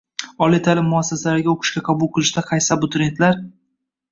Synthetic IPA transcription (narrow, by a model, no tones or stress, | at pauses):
ɒlijt̪ʰalɪmːʊasːasalaɾɪɡʲaoqʰɨ̥ʃkʲaqʰɑbʊlˠqʰɨlˠɪʃd̪aqʰɑjsabʊt̪ʰɾe̞nt̪laɾ